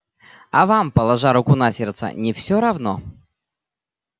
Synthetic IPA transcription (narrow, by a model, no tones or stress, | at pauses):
ɐvampəlˠɐʐaɾʊkunɐsʲert̪sə̰nʲɪfsʲoɾɐvno̰